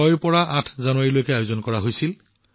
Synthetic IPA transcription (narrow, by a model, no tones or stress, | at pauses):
ɔjpɔɹaʔatʰzanʊwaɹilojkɛajozɔnkɔɹaɦojsil